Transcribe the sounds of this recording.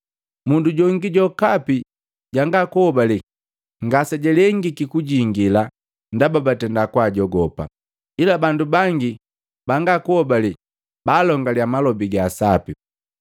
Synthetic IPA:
munduɟɔŋɡiɟɔkapi | ɟaŋɡakuhɔbali | ŋɡasɛɟɛlɛŋɡikikuɟiŋɡila | ndababatɛndakwaɟɔɡɔpa̰ | ilabandubaŋɡi | baŋɡakuhɔbali | baːlɔŋɡaliamalɔbiɡaːsapi

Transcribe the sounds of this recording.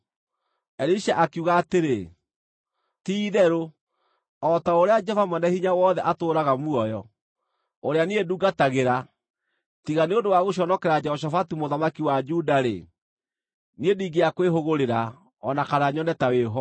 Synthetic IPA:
ɛɾiʃaʔakuɣaːteɾe | tiːðɛɾo | ɔtaoɾead͡ʒɛfamɛnɛhiɲawɔðɛʔatoːɾaɣamuɔjɔ | oɾeanieduːɡataɣeɾa | tiɣaneondowaɣoɕ̬ɔnɔkɛɾad͡ʒɛhɔʃ̬afatumoðamakiwad͡ʒudaɾḛ | niediːɡeakweɦoɣoɾeɾa | ɔnakaɾaɲɔnɛtaweɦɔ

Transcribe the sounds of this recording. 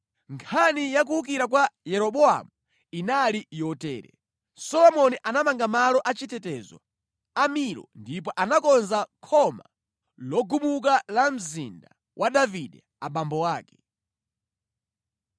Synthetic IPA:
ŋkʰanijak̬uuk̬iɾak̬wajɛɾɔɓɔa̰mu | inalijɔtɛ̰ːɾɛ̰ | sɔlɔmɔniʔanamaŋɡamalɔʔat͡ʃitɛtɛzɔ̰ | amiɾɔ̰ndip̬ɔʔanakɔnzakʰɔma̰ | lɔɡumuk̬alam̩zḭnda | wʔaɗaviɗɛ | aɓambɔwaːkɛ̥

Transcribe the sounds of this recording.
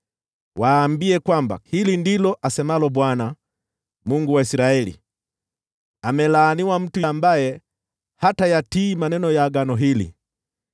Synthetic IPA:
waːmbiɛkwamba̰hilindilɔʔasɛmalɔbwana | muŋɡuwaisiɾaɛlḭ | amɛlaːniwam̩tuiambajɛ | hatajatiːmanɛnɔjaːɡanɔɦilḭ

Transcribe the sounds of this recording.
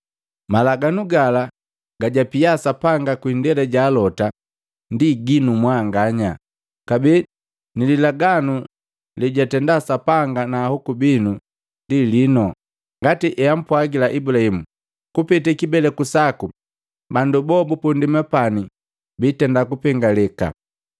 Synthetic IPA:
malaɡanuɡala | ɡ̥aɟapiasapaŋɡakwindɛlɛɟaːlɔta | ndiɡinumwaŋɡaɲa | kabi | nililaɡanu | liɟatɛndasapaŋɡanaːhɔkubinu | ndilinɔ | ŋɡatiʔɛam̩pwaɡilaʔibulahimu | kupitɛkibɛlɛkusaku | bandubɔbupundimɛpani | bitɛndakupɛŋɡalɛka̰

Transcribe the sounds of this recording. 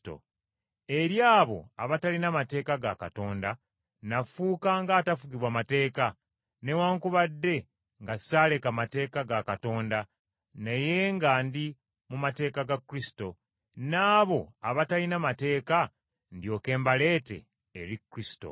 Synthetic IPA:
to̰ | e̞ɾjaːβo̞̰a̰βatalinamate̞ːkaɡa̰ka̰to̞ːnda | nafuːkaŋɡaːtafuɡiβwamate̞ːka | ne̞waːŋkuβadːe̞ | ŋɡasaːle̞kamate̞ːkaɡakato̞ːnda | neje̞ŋɡandi | mumate̞ːkaɡakːɾisi̥to̞ | naːβo̞aβatalinamate̞ːka | ndjo̞ːke̞ːmbale̞ːte̞̰ː | ɾikːɾisi̥to̰

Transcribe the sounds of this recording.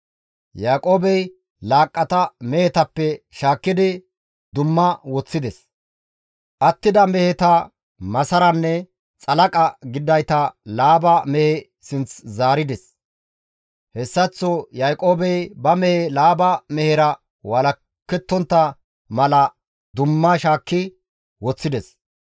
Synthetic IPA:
jaːkʼo̞ːbɛj | laːkʼːɐt̪ɐmɛhɛt̪ɐpːɛʃaːkːɪd̪ɪ | d̪ʊmːɐwɔt͡sːɪd̪ɛs | ʔɐt̪ːɪd̪ɐmɛhɛt̪ɐ | mɐsɐɾɐnːɛ | t͡sʼɐlɐkʼɐɡɪd̪ːɐjt̪ɐlaːbɐmɛhɛ | sɪnt͡szaːɾɪd̪ɛs | hɛsːɐt͡sːɔjajkʼoːbɛjbɐmɛhɛlaːbɐmɛhɛɾɐ | wɐlɐ | kːɛt̪ːɔnt̪ːɐ | mɐlɐ | d̪ʊmːɐʃaːkːɪ | wɔt͡sːɪd̪ɛs

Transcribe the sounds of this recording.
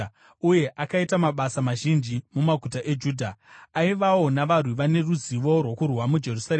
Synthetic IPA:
uje̞ʔakaitamaɓasamaʒind͡ʒimumaɡʱutaʔe̞d͡ʒuːdʱaaiʋawo̞naʋarwiʋane̞ruziʋo̞rwo̞kurwamud͡ʒe̞rusaɾeː

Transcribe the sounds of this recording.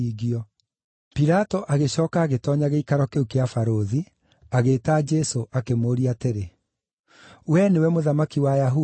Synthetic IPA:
iɣiɔ | piɾatɔʔaɣeɕɔːkaːɣetɔːɲaɣeikaɾɔkeukeafaɾoði | aɣeːtad͡ʒɛsoʔakemoːɾiateɾe | wɛnewɛmoðamakiwajaɦu

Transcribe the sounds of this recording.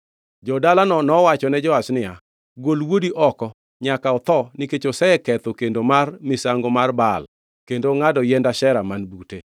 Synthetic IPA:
d͡ʒɔdalannɔwat͡ʃɔnɛd͡ʒɔwasnɪja | ɡolwodiʔɔkɔ | ɲakaɔt̪ɔniket͡ʃosɛɛkɛt̪okendomarmɪsaŋɡomarbal | kendoŋadɔjɛndaʃɛɾamanbute

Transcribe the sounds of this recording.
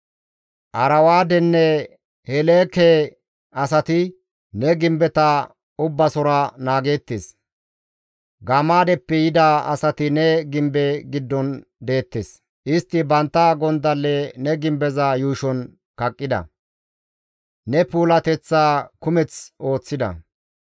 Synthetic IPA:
ʔɐɾɐwaːd̪ɛnːɛ | hɛleːkɛ | ɐs̬ɐt̪ɪ | nɛɡɪmbɛt̪ɐ | ʊbːɐsɔɾanaːɡe̞ːt̪ːes | ɡɐmaːd̪ɛpːɛjɪd̪aɐ̰sɐt̪ɪnɛɡɪmbɛɡɪd̪ːɔnd̪e̞ːt̪ːes | ʔɪst̪ːɪbɐnt̪ːaɡɔnd̪ɐlːɛnɛɡɪmbɛzajuːʃɔn | kɐkʼːɪd̪ɐ̰ | nɛpuːlɐt̪ɛt͡sːaːkʊmɛt͡so̞ːt͡sːɪd̪ɐ̰

